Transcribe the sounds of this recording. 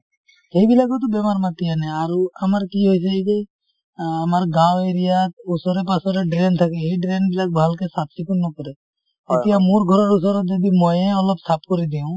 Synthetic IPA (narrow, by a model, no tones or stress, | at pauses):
heibilakɔt̪̬ubemaɾmat̪ianɛaɾuamaɾkiɦojs̬aike | amaɾɡaweɾijat̪usɔɾepasɔɾeɖɾent̪ʰakeɦeɖɾenbilak̚bʱalkesat̪sikunːɔkɔɾe | et̪ijamuɾɡʱɔɾɔɾus̬ɔɾed͡ʒ̪ed̪imɔjẽɔlɔbsapʰkɔɾid̪iũ